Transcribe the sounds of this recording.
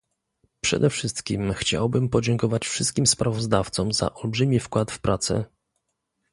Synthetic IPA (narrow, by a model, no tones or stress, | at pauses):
pʂɛ̰d̪ɛfʂɘst̪kʲimxt͡ɕa̰wbɘmpɔd͡ʑɛŋkɔvat͡ɕfʂɘst̪kʲimspɾavɔzd̪aft̪sɔmza̰ʔɔlbʐɘmʲifkwat̪fpɾʔat̪sɛ̰